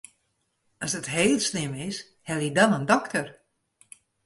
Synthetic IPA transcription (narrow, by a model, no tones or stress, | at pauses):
ɔsdətɦeːlˠsnɪmɪs | hɛlˠidɔnəndɔktər